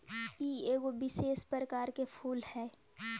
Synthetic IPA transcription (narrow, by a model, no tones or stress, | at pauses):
kieːɡobɪseːspəɾəkaːɾkepʰuːlhɛː